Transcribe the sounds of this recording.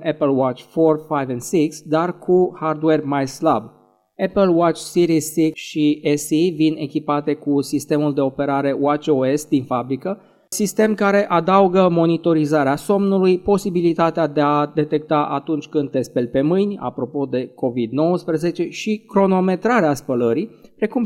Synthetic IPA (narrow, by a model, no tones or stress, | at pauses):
ʔepəlwat͡ʃfo̞rfajvɛnsiksd̪arkʰuhard̪we̞rmajslab | epəlwat͡ʃsiɾizːiksʃiesivine̞kʲipat̪e̞kusist̪e̞muld̪e̞o̞pe̞ɾaɾe̞oat͡ʃoe̞sd̪infabɾikə | sist̪e̞mkaɾe̞ʔad̪auɡəmo̞nit̪o̞ɾizaɾeaso̞mnulujpo̞sibilit̪at̪ead̪e̞ad̪e̞t̪e̞k̚t̪aʔat̪unt͡ʃʲkɨnd̪̚espe̞lʲpe̞mɨjnʲa̰pɾo̞po̞d̪e̞ko̞vid̪no̞wəspɾəze̞t͡ʃe̞ʃikɾo̞no̞me̞t̪ɾaɾeaspələɾipɾe̞kum